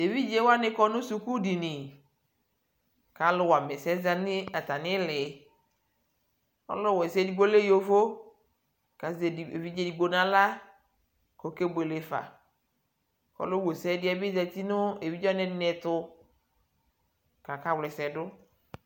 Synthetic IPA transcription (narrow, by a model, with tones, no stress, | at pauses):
e˨vi˦d͡ʒe˦wa˦nɪ˦kɔ˦nʊ̃˦su˨ku˦di˨nɪ˨ | ka˨˦lʊ˨wa˨mɛ˨sɛ˦za˨nɪ˦a˨ta˨nɪ˦lɪ˨ | ɔ̰˦lɔ˦˨wɛ˨sɛ˦di˨ɡ͡bo˦le˦jo˦fo˦ | ka˨ze˨e˨vi˦d͡ʒe˨di˨ɡ͡bo˨nã˦la˦ | ko˨ke˦be˨lɪ˨fa̰˨ | kɔ̰˨lo˦wo˨sɛ˦dɪ˦a˦bɪ˦za˨t̪i˦nʊ˦e˨vi˦d͡ʒɔ˦nɛ˦dɪ˦nɛ˨tʊ˦ | ka˨ka˨wlɪ˨sɛ˨dʊ˦